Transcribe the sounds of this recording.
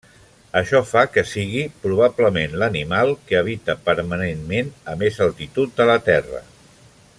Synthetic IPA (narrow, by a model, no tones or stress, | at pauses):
əʃɔfakəsiɣ̞ipɾuβ̞abləmenlənimalˠkəəβit̪əpəɾmənenmenəmezəlˠt̪it̪ut̪̚d̪ələt̪ɛrə̰